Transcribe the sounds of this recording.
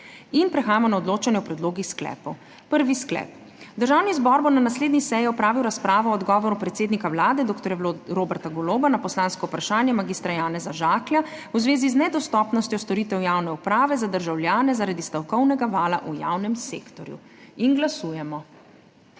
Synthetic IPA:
inpɾɛxaːjamɔnaɔd̪loːt͡ʃanjɛwpɾɛd̪loːɡisklɛ̰ːpɔw | pəɾʋisklɛ̰p | d̪əɾʒawnizbɔɾbonanasleːd̪nisɛjɛɔpɾaːʋiwɾaspɾaːʋɔɔd̪ɡɔːʋɔɾupɾɛt̪seːd̪nikawlaːd̪ɛd̪oːkt̪ɔɾjaɾobɛɾt̪aɡɔloːbanapɔslaːnskɔupɾaʃaːnjɛmaɡiːst̪ɾajaːnɛzaʒaːkljauzʋeːziznɛd̪ɔst̪ɔpnɔst̪jɔst̪ɔɾiːt̪ɛwjaːwnɛupɾaːʋɛzad̪əɾʒawlʲjaːnɛzaɾad̪ist̪ɔwkɔwnɛɡaʋaːlaʔuja̰wnɛmseːkt̪ɔɾjṵinɡlasuːjɛmɔ

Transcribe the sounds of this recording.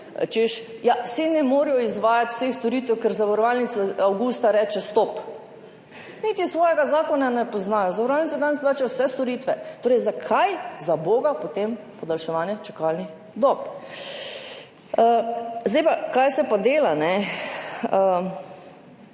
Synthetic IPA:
t͡ʃeʃjasinɛmoɾijɔizʋaːjat̪w̥sexst̪oɾiːt̪ʋɛwkɛɾzaʋɐɾɔʋalnit̪saawɡust̪aɾɛt͡ʃɛst̪op | nit̪isʋɔːjɛɡazaːkɔnanɛpɔznaːjɔzɐʋɔɾɔʋalnit̪sad̪anɛsplaːt͡ʃijwsɛst̪oɾiːt̪ʋɛt̪oːɾɛjzakʰajzaboːɡapot̪em | pɔd̪alʃɛʋaːnjɛt͡ʃakalnix | d̪ɔp | əzd̪ɛjpakajsɛpad̪eːlanɛ | ə

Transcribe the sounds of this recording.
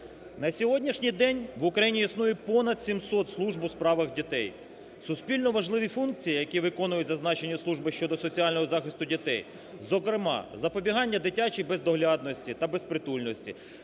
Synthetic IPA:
nɐsʲɔɦɔdʲnʲiʃnʲijd̪ɛnʲʋʊkɾɐjinʲiisnujɛpɔnɐd̪sʲimsɔt̪slˠuʒbspɾɑʋɪxdʲit̪ɛj | sʊspʲilʲnɔʋɐʒlˠɪʋʲifunk̚t͡sʲijijɐkʲiʋɪkɔnʊjʊtʲzɐznɑt͡ʃenʲːɐslˠuʒbɪʃt͡ʃɔd̪ɔsɔt͡sʲiɑlʲnɔɦɔzɑxɪst̪ʊdʲit̪ɛj | zɔkɾɪmɑ̰zɐpɔbʲiɦɑnʲːɐd̪ɪtʲat͡ʃijbezd̪ɔɦlʲɑd̪̚nɔsʲtʲit̪ɐbespɾɪt̪ulʲnɔsʲtʲḭ

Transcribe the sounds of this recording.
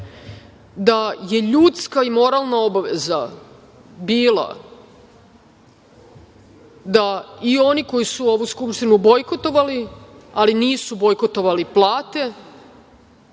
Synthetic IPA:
d̪aje̞ʎut̪skaimo̞ɾaːlˠnao̞baʋe̞za | biːlˠa̰ | d̪aio̞niko̞jisuo̞ʋuskupʂt̪inubo̞jko̞t̪o̞ʋalialiniːsubo̞jko̞t̪o̞ʋaliplaːt̪e̞

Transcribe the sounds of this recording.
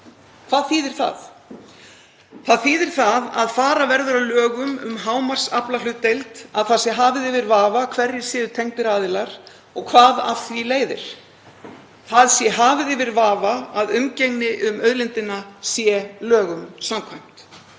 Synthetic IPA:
kʰv̥aːðθiːðɪɾ̥θa̰ð | θaðθiːðɪɾ̥θaða̰ðfaːɾavɛɾðʏɾawlœːɣʏmʏ̰mɦaːwmar̥saplalʏt̪ːejlt̪aðθaðsjɛɦaːvɪðɪvɪɾvaːvakʰvɛɾjɪ̥sɪːðʏt̪ʰeŋt̪ɪɾaːðɪlaɾ̥ | ɔɣkʰvaːða̰fθvileːjðɪ̰ɾ̥ | θaðsjɛɦaːvɪðɪvɪɾvaːvaaðʏmceŋnɪʔʏmœðlɪnt̪ɪnasjɛlœːɣʏmsamkʰvajm̥t̪

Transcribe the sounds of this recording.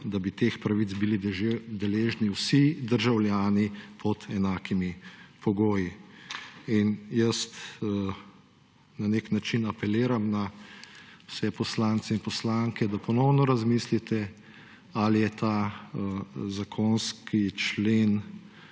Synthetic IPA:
d̪abit̪eːxpɾaʋit̪t͡s̪bilid̪ɛleːʒniwsid̪əɾʒawljaːnipʰɔt̪ɛnaːkimipɔɡoːji | injəst̪ː | naneknat͡ʃinapɛleːɾamna | wsɛpɔslaːnt̪sɛinpɔslaŋkɛd̪apɔnɔwnɔɾazmislit̪ɛ | alijɛt̪a | zakʰonskʰit͡ʃleːn

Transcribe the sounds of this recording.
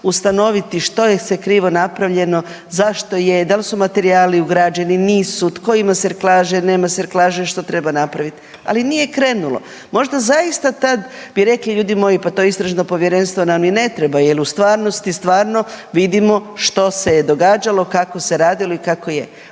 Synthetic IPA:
ust̪ano̞ʋit̪iʃt̪o̞jesekɾiːʋo̞napɾaʋʎe̞no̞ | zaʃt̪o̞jed̪alsumat̪e̞ɾiaːliuɡɾad͡ʑeniniːsut̪ko̞imaseɾklˠaːʒeneːmaseɾklˠaːʒeʃt̪o̞t̪ɾe̞banapɾaʋit̪ | a̰linije̞kɾe̞ːnulˠo̞̰ | mo̞ʒd̪azaist̪at̪ad̪biɾe̞kliʎuːd̪imo̞ːjipat̪o̞ist̪ɾaʒnopo̞ʋjeɾe̞nst̪ʋonamjine̞t̪ɾebajeliust̪ʋaːɾno̞st̪ist̪ʋaːɾno̞ʋid̪imo̞ʃt̪o̞sed̪o̞ɡaːd͡ʒalˠo̞kako̞se̞ɾaːd̪ilo̞ikako̞je

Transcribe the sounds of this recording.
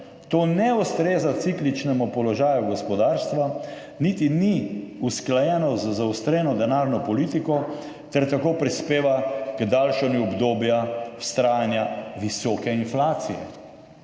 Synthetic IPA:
t̪oːnɛust̪ɾeːzat̪siklit͡ʃnɛmupɔlɔʒaːjuɡɔspɔd̪aːɾst̪ʋa | nit̪iniusklajɛːnɔzəzawst̪ɾɛːnɔd̪ɛnaːɾnɔpɔliːt̪ikɔ | t̪ɛɾt̪akoːpɾispeːʋakd̪alʃɛnjuɔbd̪oːbjḁst̪ɾaːjanjaʋisɔːkɛinflaːt̪sijɛ̰

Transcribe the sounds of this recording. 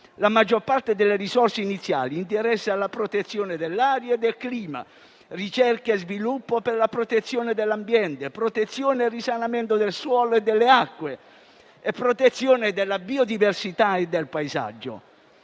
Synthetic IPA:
lamad͡ʒːorpart̪ed̪elːeɾisɔrseinit̪sːja̰ːliːnt̪eɾɛsːealːapɾot̪et̪sːjoːned̪elːaːɾjaed̪ːelkliːma̰ | rit͡ʃɛrkeezvilupːoperlapɾot̪et̪sːjoːned̪elːambjɛnt̪epɾot̪et̪sːjoːneerisanament̪od̪elswɔːloed̪ːelːeakːwe | epːɾot̪et̪sːjoːned̪elːabiːod̪iversit̪aed̪ːelpaeza̰d͡ʒːo̰

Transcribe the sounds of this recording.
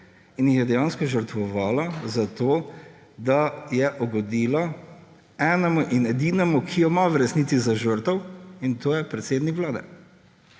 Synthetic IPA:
injixjɛd̪ɛjãːnskɔʒəɾt̪ʋɔʋaːlazat̪oː | d̪ajɛʔɔɡɔd̪iːla | ɛnɛmuʔinɛd̪iːnɛmukʰijɔmaʋɾɛsniːt̪sizaʒəɾt̪ɔwint̪oːjɛpɾɛt̪seːd̪nikʋlaːd̪ɛ̰

